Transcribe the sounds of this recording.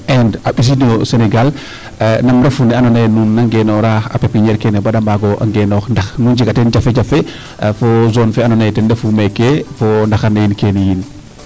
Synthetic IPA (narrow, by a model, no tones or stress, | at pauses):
ɛndaɓis̬iniosenɛɡal | namɾɛfunɛanɔnajnunːaŋɡenɔɾaa̰pɛp̚kiɲɛɾkɛnɛbaɗambaɡɔʔa̰ŋɡenɔxndaxnuːnd͡ʒikatɛnd͡ʒafed͡ʒafe | fɔzɔnfɛanɔnajtɛndɛfumɛkefɔndaxanajinkenijin